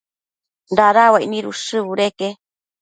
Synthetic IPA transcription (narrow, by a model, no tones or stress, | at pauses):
nd̪aɾawainĩɾusɨβuɾeke